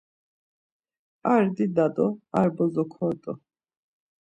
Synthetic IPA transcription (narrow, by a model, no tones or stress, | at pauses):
aɾd̪id̪ad̪ɔaɾbɔzɔkʰɔːd̪ʼɔ